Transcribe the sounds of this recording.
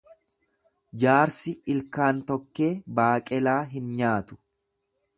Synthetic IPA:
d͡ʒaːɾsɪɪlkaːnt̪ɔkːe̞ːbaːkʼɛlaːɦɪnɲaːt̪ʊ̥

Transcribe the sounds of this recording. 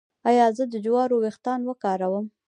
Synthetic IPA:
ɑjɑzəd̪əd͡ʒwɑɾowext̪ɑnwəkɑɾawəm

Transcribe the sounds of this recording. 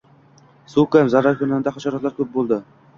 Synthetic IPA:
sukamzaɾaɾkʰʲʊnɪnd̪aχaʃɒɾɒt̪laɾkʲʰɵp̚bolˠd̪ɪ

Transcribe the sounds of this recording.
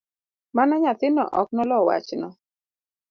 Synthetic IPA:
manaɲat̪ɪnɔʔɔknɔlɔwa̰t͡ʃnɔ

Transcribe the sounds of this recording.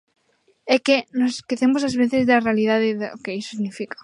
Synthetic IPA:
ekenoskeθemos̬azβeθezðearealiðaðeðeokeiso̥siɣnifikḁ

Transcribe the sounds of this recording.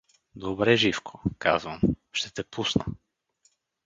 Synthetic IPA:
d̪ɔbɾɛʒifkʰɔ̥kazvɐmʃt̪ɛt̪ɛpusnɐ̰

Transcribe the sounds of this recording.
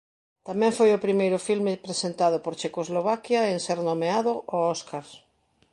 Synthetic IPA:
t̪amɛ̃ɱfojʊpɾimejɾʊfilmepɾesent̪aðʊpoɾt͡ʃekozloβ̞akjaeŋseɾnomeaðʊʔoɔskaɾ

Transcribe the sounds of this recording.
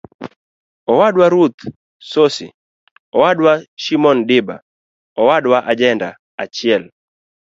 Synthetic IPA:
ɔwaɗwaɾut̪ | sosḭ | ɔwadwaʃimɔndɪba̰ | ɔwaɗwaʔad͡ʒɛnda̰ | at͡ʃɪɛl

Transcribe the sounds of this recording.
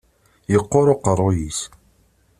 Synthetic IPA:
jəqːoɾˤoqərˤːojis

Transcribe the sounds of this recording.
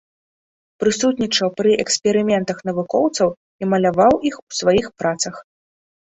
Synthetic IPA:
pɾɨsut̪ʲnʲit͡ʂɐwpɾɨʔɛksʲpʲɛɾɨmʲɛnt̪ɐxnɐvukɔwt̪sɐw | imɐlʲavawʔixusvajixpɾat̪sɐx

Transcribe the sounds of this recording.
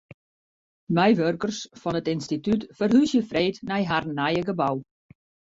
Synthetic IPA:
mɛjʋørkərsfɔnətɪnstitytfərɦysjəfreːtnɛjɦarnajəɡəbaw

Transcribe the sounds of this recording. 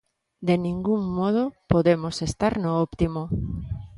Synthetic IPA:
d̪enĩŋɡuŋmoð̞opoðemosest̪aɾnoopt̪imo

